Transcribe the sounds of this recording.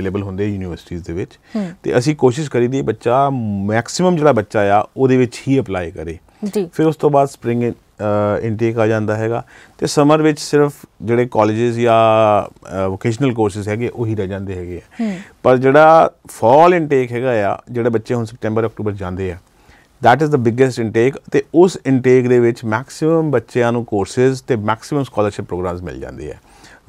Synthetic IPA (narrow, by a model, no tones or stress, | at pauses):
eːleːbəlɦʊ̃nd̪eːɛjuːniʋəɾsʈiːzd̪eːʋɪt͡ʃ | t̪ḛːʔəsĩːkoːʃɪʃkəɾiːd̪ieːbətːʃaːmɛːksɪməmd͡ʒeːɽaːbətːʃaːjaːoːd̪eːʋɪt͡ʃhiːəplaːikəɾeː | d͡ʒiːpʰɪɾʊst̪õːbaːd̪spɾɪ̃ŋɡ | ɪɳʈeːkaːd͡ʒãːnd̪aːɦɛːɡaːt̪eːsəməɾʋɪt͡ʃsɪɾpʰd͡ʒeːɽeːkɔːlɪːd͡ʒɪzjãː | ʋoːkeːʃ̬nəlkoːɾsɪzɦɛːɡeʔoːɦiːɾɛːd͡ʒãːnd̪eːɦɛːɡeːɛːpəɾd͡ʒeːɽaːpʰɔːlɪɳʈeːkɦɛːɡaːja̰ːd͡ʒeːɽaːbətːʃẽːɦʊnsəp̚ʈɛ̃ːmbəɾɔːk̚ʈuːbəɾd͡ʒãːnd̪eːɦɛː | d̪ɛːʈɪzd̪əbɪɡəsʈɪ̃ɳʈeːkət̪eːʊsɪɳʈeːkd̪eːʋɪt͡ʃmɛːksɪməmbətːʃeãːnũːkoːɾsɪzt̪eːmɛːksɪməmskaːləɾʃɪpːɾoːɡɾãːmzmɪ̰ld͡ʒã̰ːnd̪ḛːɦɛ̰ː